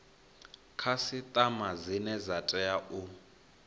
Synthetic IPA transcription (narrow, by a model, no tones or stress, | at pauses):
kʰasit̪ʼamazinɛzatʼɛaʔu